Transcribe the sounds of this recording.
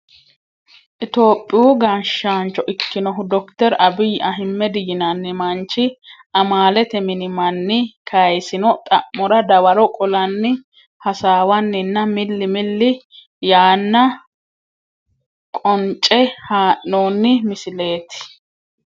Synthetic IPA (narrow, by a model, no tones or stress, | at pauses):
ʔɪt̪o̞ːpʼːɪjuːɡanʃːaːnt͡ʃːɔʔɪkːɪnɔɦʊd̪ɔkt̪ɛɾɐbɪjɐɦɪmːɛd̪ɪjɪnɐnːɪmɐnt͡ʃːɪʔɐmaːlɛt̪ɛmɪnɪmɐnːɪkʰɐjsɪnɔt̪ʼɐ̰ʔːɔɾɐd̪ɐwɐɾɔkʼɔlɐnːɪ | hɐsaːwɐnːɪnːɐmɪlːɪmɪlːɪ | jaːnːɐ | kʼɔnt͡ʃʼːɛhaːʔːoːnːɪmɪsɪle̞ːt̪ɪ̥